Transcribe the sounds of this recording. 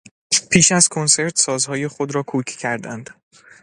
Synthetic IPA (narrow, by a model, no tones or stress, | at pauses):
pʰiːʃæz̥kʰo̞nse̞ɾt̪ʰsɒːzhɒːje̞χod̪ɾɒːkʰuːcʰcʰæɾd̪ænd̪̥